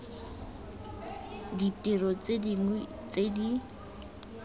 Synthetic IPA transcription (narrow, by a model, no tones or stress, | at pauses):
ditʼirɔt͡sediŋ | t͡sedi